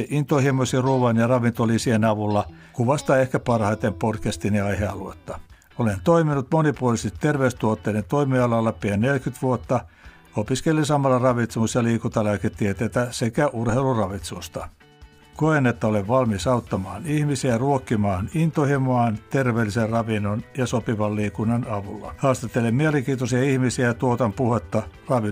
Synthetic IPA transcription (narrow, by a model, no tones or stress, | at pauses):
int̪ohimosiruːʋɑnjɑrɑʋint̪olisihenɑʋulːɑ | kuʋɑst̪ɑehkæpɑrhɑit̪empodkæst̪iniɑiheɑluḛt̪ːɑ | olent̪oiminut̪monipuolist̪it̪erʋeyst̪uot̪ːeinent̪oimiɑlɑlːɑpiænnelkyt̪ʋuot̪ːɑ | opiskelːisɑmɑlːɑrɑʋit̪semusjɑliːkut̪ɑlæket̪ːiet̪eit̪æsekæʔurheilurɑʋit̪sust̪ɑ | koenet̪ːæoleʋʋɑlmisɑut̪ːɑmɑːnihmisiæruokːimɑːnint̪ohimoɑːˑnt̪erʋeːlːiserrɑʋinːonjɑsopiʋɑlliːkunːɑnɑʋulːɑ̰hɑːst̪ɑt̪ːelemmieleŋkiːt̪osiɑihmisiæɑt̪uot̪ɑmpuhet̪ːɑrɑʋi